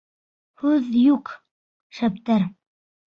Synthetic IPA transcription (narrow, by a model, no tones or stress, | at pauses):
hʉðjuq | ʃæp̚t̪æɾ